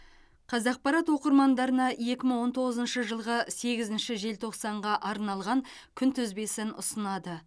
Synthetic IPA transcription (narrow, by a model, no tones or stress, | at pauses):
qʰɑzɑq̚pɑɾɑt̪wo̞qəɾmɑnd̪ɑɾənɑje̞kʲɪməɴwo̞nt̪ʰo̞ʁəzənʃəʒəlˠʁəse̞ɡʲɪzɪnʃɪʒe̞lt̪ʰo̞qsɑɴʁɑʔɑɾnɑlˠʁɑŋ | kʲʰʏnt̪ʰʏzbe̞sɪnʊ̰sənɑd̪ə